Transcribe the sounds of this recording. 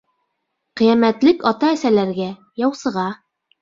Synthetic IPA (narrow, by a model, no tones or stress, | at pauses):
qĭjæmæt̪lɘkɑt̪ɑːsælæɾɡæ | jɑwsɤ̆ʁɑ